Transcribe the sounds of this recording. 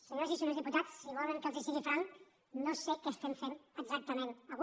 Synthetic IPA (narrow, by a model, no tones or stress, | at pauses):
səɲozisonozðiput̪at͡sːiβɔləŋkəlˠzisiɣifɾaŋk | nosekest̪emfenəɡzak̚t̪əmẽnəɣ